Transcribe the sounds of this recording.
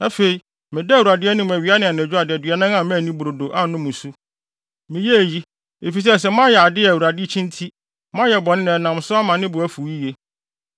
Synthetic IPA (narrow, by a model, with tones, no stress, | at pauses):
a˦fe˨i˨ | mɪ̃˨dɛ˦˨u˨ɾa˨dɪ˦ɛ˦nʊ̃˦m˨æ˨ɥi˨˦a˦nɪ̃˨a˨ñ˨d͡ʑᶣʊ˦a˨dɪ˨ɛ˨dɥɛ˨nã˦ŋ˦ã˨mæ̃˦˨nĩ˦bu˨ɾo˨do˨ʔa˨˦nʊ̃˦mʊ̃˨su˦ | mɪ̃˨jɛ˦æ˨ji˦ | e˨fi˨s̬ɛ˦˨sɛ˨m˦ã˦jɛ˨a˨dɪ˦æ˨wu˨ɾa˨dɪ˦t͡ɕʰĩ˦ntʰi˦ | mã˦jɛ˨bɔ˨nɪ̃˦nɪ̃˨nã˨m˨sʊ˦a˦mã˨nɪ̃˦bʊ˨æ˦fu˨ji˦je˦